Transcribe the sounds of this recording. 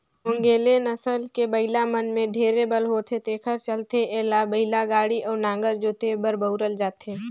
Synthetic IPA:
ʊ̃ŋɡeːlenəsəlkebəɪlamənmẽɖʱeːɾebəlɦoːt̪ʰet̪eːkʰəɾt͡ʃəlt̪eʔeːlabəɦɪlaɡaːɽiʔɔːɾnãːŋɡəɾd͡ʒoːt̪ʰebəɾbəʊɾəld͡ʒaːt̪eː

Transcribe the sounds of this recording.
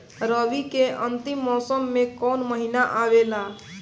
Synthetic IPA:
ɾəbikeʔənt̪imːɔsəmːekɔnməɦinaʔaʋela

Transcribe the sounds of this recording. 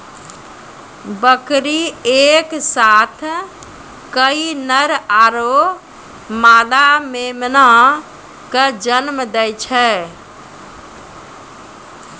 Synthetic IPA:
bəkɾieksat̪ʰ | kəinəɾaɾo | maːd̪amemna | kəd͡ʒənmd̪ɛjt͡ʃʰɛ

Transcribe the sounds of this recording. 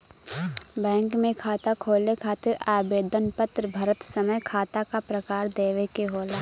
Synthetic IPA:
bɛ̃ːŋkmẽkʰaːt̪akʰoːlekʰaːt̪ɪɾaːbeːd̪ənpət̪ɾəbʱɐɾət̪səməjkʰaːt̪akapɾəkaːɾd̪eːʋekeɦoːlaː

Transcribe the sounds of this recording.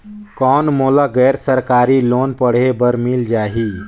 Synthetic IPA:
kɔːnmoːlaɡɛːɾsəɾkaːɾiloːnpəɽ̤ebəɾmild͡ʒaːɦi

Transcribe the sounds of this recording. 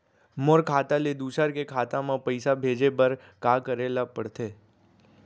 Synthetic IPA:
moɾkʰaːt̪aled̪uːsəɾkekʰaːt̪ãmãpəɪsabʱeːd͡ʒebəɾ | kaːkəɾeːlapəɽt̪eː

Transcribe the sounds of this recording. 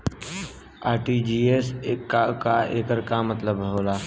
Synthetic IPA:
aːʈid͡ʒiːesakaeːkəɾkamət̪ləbɦoːlaː

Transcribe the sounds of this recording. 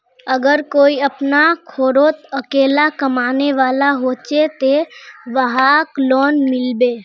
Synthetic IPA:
əɡəɾkoːiəpnakʰoːɾoːt̪əkeːlakəmaːneʋaːlaɦoːt͡ʃet̪eʋəɦaklɔːnmɪlbeː

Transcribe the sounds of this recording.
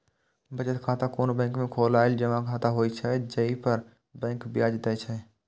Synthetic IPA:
bəd͡ʒət̪kʰaːt̪akoːnobɛ̃ːŋkmẽkʰoːlaːeld͡ʒəʋãkʰaːt̪aɦoːit͡ʃʰɛd͡ʒəipəɾ | bɛ̃ːŋkbɪjaːd͡ʒd̪ɛt͡ʃʰɛ

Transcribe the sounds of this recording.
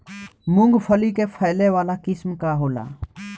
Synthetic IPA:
mʊŋɡfʰəliːkeːfʰəːleːʋaːlaːkɪsmkaːɦoːla̰ː

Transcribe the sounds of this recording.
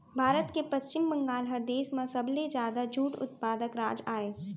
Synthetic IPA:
bʱaːɾət̪kepɐʃt͡ʃɪmbə̃ŋɡaːlɦɐd̪eːsmãsɐbled͡ʒjaːd̪ad͡ʒʱuːʈʊ̰t̪̚paːd̪əkɾaːd͡ʒaːeː

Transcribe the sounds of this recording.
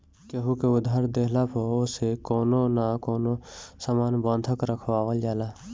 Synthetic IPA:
kəɦukeʊd̪ʱaːɾd̪eːɦlapʰoosekoːnonakoːnosamaːnbɔ̃nd̪ʱəkɾəkʰʋaːʋəld͡ʒaːla

